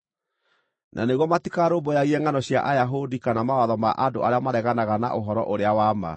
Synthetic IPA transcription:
nʔa̰neɣwɔmatikaɾobɔjaɣiɛŋanɔɕja̰ʔajaɦodikanamawaðɔmaʔadoʔaɾeamaɾɛɣanaɣana̰ʔoɦɔɾɔ̰ʔoɾeawama̰

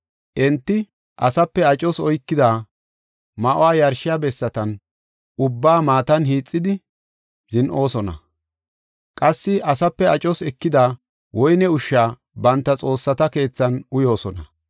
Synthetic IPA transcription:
ʔɛnt̪ːɪ | ʔɐsɐpːɛɐt͡ʃʼɔsɔjkːɪd̪aː | mɐʔowaːjɐɾʃɪjaːbɛsːɐt̪ɐn | ʊbːaːmaːt̪ɐnɦiːt͡sʼːɪd̪ɪ | zɪnʔo̞ːsɔnɐ̰ | kʼɐsːɪʔɐsɐpːɛɐt͡ʃʼɔsɛkːɪd̪aː | wɔjnɛʊʃːaː | bɐnt̪ːɐt͡sʼo̞ːsːɐt̪ɐke̞ːt͡sːɐnʊjo̞ːsɔnɐ

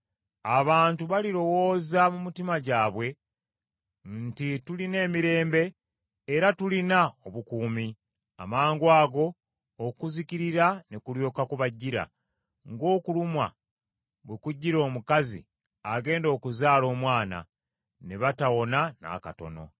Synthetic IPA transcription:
aβaːntuβaliɾo̞wo̞ːzamumitimaɟaːβwe̞ | ntituline̞ːmiɾe̞ːmbe̞ː | ɾatulinaoβukuːmi | a̰maːŋɡwaːɡo̞ː | kuziciɾiɾanekuɾjo̞ːkakuβaɟːiɾa̰ | ŋɡo̞ːkulumwa̰ | βwekuɟːiɾo̞ːmukazḭ | aɡe̞ːndo̞ːkuzaːlo̞ːmwaːna̰ | neβatawo̞nana̰kato̞̰no̞̰

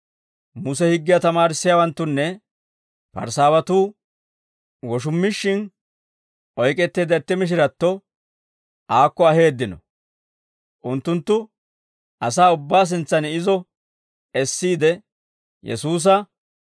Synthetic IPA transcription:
mʊs̬ɛhɪɡːɪjɐt̪ɐmaːɾɪsːɪjaːwɐnt̪ːʊnːɛ | pɐ̰ɾsaːwɐt̪uː | wɔʃ̬ʊmːɪʃːɪn | ʔɔjkʼɛt̪ːeːd̪ɐt̪ːɪmɪʃ̬ɪɾɐt̪ːɔ | ʔaːkːɔɐhe̞ːd̪ːɪnɔ̰ | ʔʊnt̪ːʊnt̪ːʊ | ʔɐsaːʊbːaːs̬ɪnt͡sːɐnɪzɔ | ɛsːiːd̪ɛ | jɛ̰suːs̬ɐ

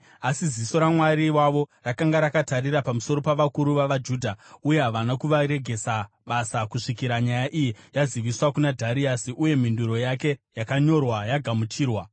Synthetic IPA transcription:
asiziso̞ɾamwaɾiwaʋo̞rakaŋɡaɾakataɾirapamuso̞ɾo̞paʋakuɾuʋaʋad͡ʒuːdʱauje̞ɦaʋanakuʋaɾe̞ɡʱe̞sa | ɓasakuʂikiɾaɲajaʔijijaziʋiswakunadʱaɾiasiʔuje̞m̤induɾo̞jake̞jakaɲo̞rwajaɡʱamut͡ʃiːrwa

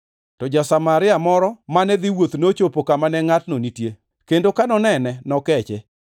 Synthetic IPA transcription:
tɔd͡ʒasamaɾɪamɔɾɔmanɛd̪iwot̪not͡ʃopokamanɛŋatnonitje | kendokanɔnɛnɛnɔkɛt͡ʃe

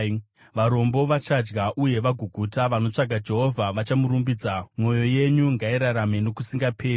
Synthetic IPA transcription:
ʋaɾo̞mbo̞ʋat͡ʃad͡ʒɡaʔuje̞ʋaɡʱuɡʱutaʋano̞t͡ʂaɡʱad͡ʒe̞ɦo̞vʱaʋat͡ʃamuɾumbid͡zamo̞jo̞je̞ɲuŋɡaiɾaɾame̞no̞kusiŋɡapʰeːi

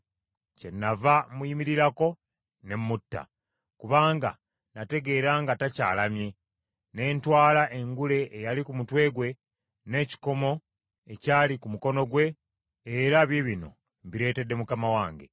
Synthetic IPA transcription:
ce̞nːavamujimiɾiɾako̞ | ne̞mːutːa̰ | kuβaːŋɡa̰ | nate̞ɡe̞ːɾaːŋɡataca̰ːlamje̞ | ne̞ːntwaːlaʔe̞ŋɡule̞ʔːjalikumutwe̞ːɡwe̞ | ne̞ːci̥ko̞mo̞ | ecaːlikumuko̞no̞ɡwe̞ː | ɾaβjeβino̞̰ | mbiɾe̞ːte̞dːe̞mukamawaːŋɡe̞̰

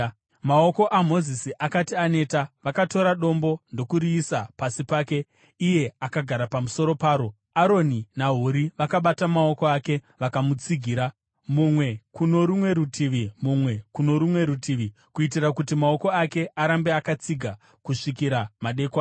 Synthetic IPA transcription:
mao̞ko̞ʔamo̞zisiʔakatiane̞ːtaʋakato̞ɾaɗo̞mbo̞ndo̞kuɾiːsapasipaːke̞ | ije̞akaɡʱaɾapamuso̞ɾo̞paːɾo̞ | aɾo̞ninaɦuɾiʋakaɓatamao̞ko̞ake̞ | ʋakamut͡siɡʱiːɾa | mumwe̞kuno̞ɾumwe̞ɾutʰiʋimumwe̞kuno̞ɾumwe̞ɾutʰiʋi | kuit̬irakutimao̞ko̞ake̞ʔaɾambe̞akat͡siɡʱa | kuʂikiɾamaɗe̞kwaː

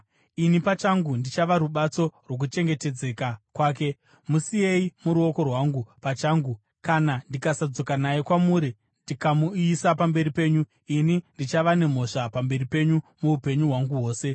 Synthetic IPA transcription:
inipat͡ʃaŋɡundit͡ʃaʋaɾuɓat͡so̞rwo̞k̬ut͡ʃe̞ŋɡe̞te̞d͡ze̞kakwaːk̬e̞ | musije̞imuɾuo̞ko̞rwaŋɡupat͡ʃaːŋɡu | kanandikasad͡zo̞kanajekwamuːɾi | ndikamuisapambe̞ɾipe̞ːɲu | inindit͡ʃaʋane̞m̤o̞ʂapambe̞ripe̞ɲumuupe̞ɲuɦwaŋɡuɦo̞ːse̞

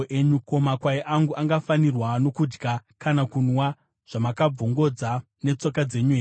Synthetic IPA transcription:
ʔe̞ɲuko̞makwaiʔaŋɡuʔaŋɡafanirwano̞kud͡ʒɡakanakunwa | ʐ̥amakab͡voŋɡo̞d͡za | ne̞t͡so̞kad͡ze̞ɲueː

